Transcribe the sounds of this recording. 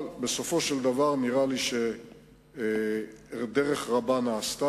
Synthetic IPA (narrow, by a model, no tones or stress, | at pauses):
lbeso̞fo̞ʃeld̪avaʁniʁaliʃe | d̪eʁe̞χʁabanaːst̪a